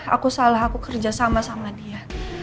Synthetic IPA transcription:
a̰kusalaɦakukərd͡ʒasamasamadia

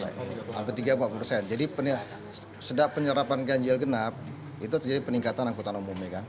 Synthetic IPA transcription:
ba̰a̰mpət̪iɡabaʔpərsɛnd͡ʒadipənə | s | sədaʔpəɲəɾapanɡaɲd͡ʒɛlɡənap̚ | it̪̬ut̪əd͡ʒadipəniŋkat̪anaŋkut̪anomumɛkan

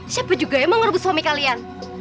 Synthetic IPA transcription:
sab̥a̤d͡ʒuɡajaməŋərbuswamikalian

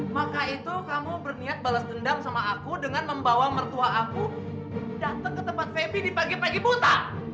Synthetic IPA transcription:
makait̪ukamubərniat̪̚balasdəndaŋsamaːkudəŋanməmbawamərt̪uaaku | dat̪əŋkət̪əmpat̪̚febidipaɡipaɡibut̪a

